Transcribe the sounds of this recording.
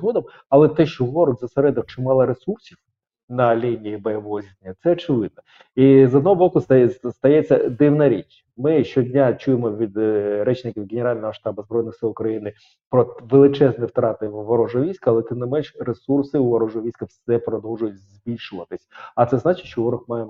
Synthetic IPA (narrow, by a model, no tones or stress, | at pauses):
ɦɔd̪ɐm | ɐlˠɛt̪ɛʃt͡ʃɔʋɔɾɔɡ̪ʲzɐseɾɛd̪ɐwt͡ʃɪmɑlˠɐɾesursʲiw | nɐlʲinʲijibɔjɐʋɔɦɔzʲid̪nʲːɐt̪sɛɔt͡ʃɪʋɪd̪̚nɐ | izɔd̪nɔɦɔbɔkʊst̪ɐjɛt͡sʲːɐd̪ɪwnɐɾʲit͡ʃ | mɪʃt͡ʃɔdʲnʲat͡ʃujemɔʋʲid̪ɾɛt͡ʃnɪkʲiwɡʲenʲeɾɑlʲnɔɦɔɔʃt̪ɑbɐzbɾɔjnɪxsɪlˠʊkɾɐjinɪ | pɾɔʋelˠɪt͡ʃɛznɪwt̪ɾɑt̪ɪʋʋɐɾɔʒɔʋʲijsʲkɐːlˠɛt̪ɪmnɪmɛnʃresursɪuʋɐɾɔʐɔʋʲijsʲkɐfsɛpɾɔd̪ɔwʒʊjʊtʲzʲbʲilʲʃʊʋɐt̪ɪsʲɐt̪sɛznɑt͡ʃɪ̥t͡ʃɔʋɔɾɔxmɑjem